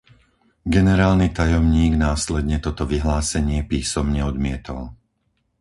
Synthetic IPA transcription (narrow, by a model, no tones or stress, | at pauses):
ɡɛnɛɾaːlnit̪ajɔmɲiːɡnaːslɛd̪ɲɛt̪ɔt̪ɔʋiɦlaːsɛɲɪɛpiːsɔmɲɛɔd̪mɪɛt̪ɔl